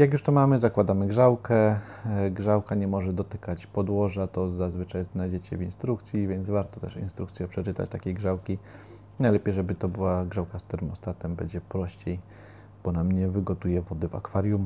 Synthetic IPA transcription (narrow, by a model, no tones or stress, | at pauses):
jakjuʂt̪ɔmamɘzakwad̪amɘɡʐawkɛ | ɡʐawkaɲɛmɔʐɛd̪ɔt̪ɘkat͡ɕpɔd̪wɔʐat̪ɔzazvɘt͡ʂajznajd͡ʑɛt͡ɕɛvinst̪ɾukt̪sʲjivʲjɛnvaɾt̪ɔt̪ɛ̰ʂḭnst̪ɾukt̪sʲjɛpʂɛt͡ʂɘt̪a̰t͡ɕt̪akʲejɡʐawkʲi | najlɛpʲejʐɛbɘt̪ɔbɘwaɡʐawkast̪ɛɾɘmɔst̪at̪ɛmbɛɲd͡ʑɛpɾɔɕt͡ɕej | b̥ɔnamɲɛvɘɡɔt̪ujɛvɔd̪ɛva̰kfaɾʲjum